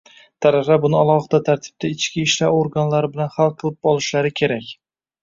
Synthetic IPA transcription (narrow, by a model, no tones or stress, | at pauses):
t̪ʰaɾafabʊnɪalˠɒχɨd̪at̪ʰaɾt̪ʰɪ̥b̚t̪aɪt͡ʃkʲiːʃlaɾoɾɡanlaɾɪbɪlanχalˠqʰɨlˠɪp̚ɒlˠɪʃlaɾɪkʲʰe̞ɾakʲ